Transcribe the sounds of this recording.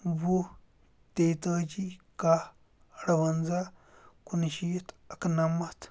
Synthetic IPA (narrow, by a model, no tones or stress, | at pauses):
bu | teitad͡ʒika | ɾaβanza | kunʃijt | akənamːat